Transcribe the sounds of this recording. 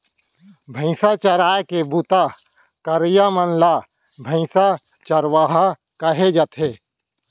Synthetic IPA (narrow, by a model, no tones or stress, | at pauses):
bʱə̃ɪsat͡ʃəɾaːekebut̪a | kəɾjamənla | bʱə̃ɪ̃sa | t͡ʃəɾwaːɦa | kəɦed͡ʒət̪ʰɦeː